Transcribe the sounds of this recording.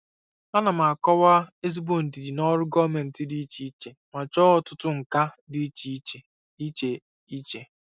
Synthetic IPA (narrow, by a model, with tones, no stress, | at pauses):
a˦na˨m˨a˨kɔ˦wa˦e˦z̬i˦bo˨n̩˨di˨di˨nɔ˦ɾʊ˦ɡɔ˦me˨n̩˨tɪ˦di˦t͡ʃi˦t͡ʃe˨ma˨t͡ʃɔ˦ɔ˨tʊ˦tʊ˦ŋ̩˨ka˦dɪ˦t͡ʃi˦t͡ʃe˨ | i˦t͡ʃe˨ | i˦t͡ʃe˨